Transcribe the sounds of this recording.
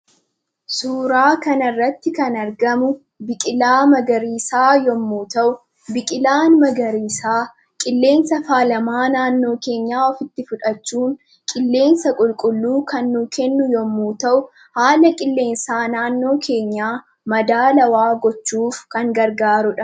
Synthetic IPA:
suːɾaːkɐnɐrːɐt̪ːɪkɐnɐɾɡɐmʊ | bɪkʼɪlaːmɐɡɐɾiːsaːjɔmːuːt̪ɐʔʊ | bɪkʼɪlaːnmɐɡɐɾiːsaː | kʼɪlːe̞ːnsɐfaːlɐmaːnaːnːo̞ːke̞ːɲːaːɔfɪt̪ːɪfʊᶑɐt͡ʃːuːŋ | kʼɪlːe̞ːnsɐkʼʊlkʼʊlːuːkɐnːuːkɛnːʊjɔmːuːt̪ɐʔʊ | haːlɐkʼɪlːe̞ːnsaːnaːnːo̞ːkʰe̞ːɲːaː | mɐd̪aːlɐwaːɡɔt͡ʃːuːfkɐŋɡɐɾɡaːɾʊᶑɐ

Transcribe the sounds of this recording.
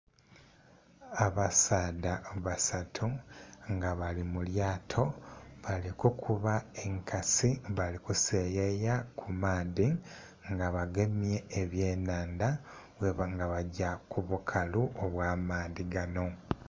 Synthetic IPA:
aβasaːdaβasatʰuŋɡaβalimuljaːtʰo̞βalikukʰuβae̞ŋkasiβalikuse̞ːjejakʰumaːði | ŋɡaβaɡe̞mje̞ːβje̞ːnaːnda | weβŋɡaβaɟakuβukʰaluʔoβwaːmaːðiɡano̞

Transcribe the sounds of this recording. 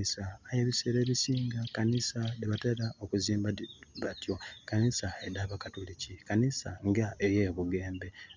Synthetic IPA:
isaːjeːβiseɾe̞ːβisiːŋɡakanisadeβatelaokuziːmbaβatjo̞kanisaedaβakatulicikanisaŋɡaejeβuɡe̞ːmbe̞

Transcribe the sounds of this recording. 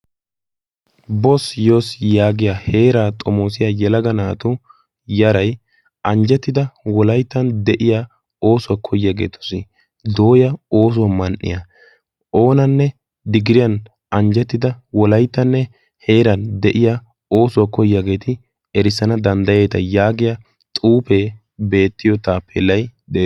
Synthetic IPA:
bɔsjo̞ːsjaːɡɪjaːhe̞ːɾaːt̪ʼɔmoːsɪjajɛlɐɡɐnaːt̪ʊ | jɐɾɐj | ʔɐnd͡ʒɛt̪ːɪd̪ɐwɔlɐjt̪ːɐnd̪ɛʔɪjaː | o̞ːsʊwakʰɔjːaɡe̞̰ːt̪ʊ̥sɪ | d̪o̞ːjɐoːs̬ʊwɐmɐnʔːɪ̰jɐ | ʔo̞ːnɐnːɛ | d̪ɪɡɪɾɪjɐn | ɐnd͡ʒɛt̪ːɪd̪ɐwɔlɐjt̪ːɐnːɛ | he̞ːɾɐnd̪ɛʔɪja | o̞ːsʊwakɔjːaɡe̞ːt̪ɪ | ɛɾɪsːɐnɐd̪ɐnd̪ɐjeːt̪ɐjaːɡɪjɐ | t̪ʼuːpe | be̞ːt̪ːɪjɔt̪aːpːɛ̰lːɐjd̪ɛ

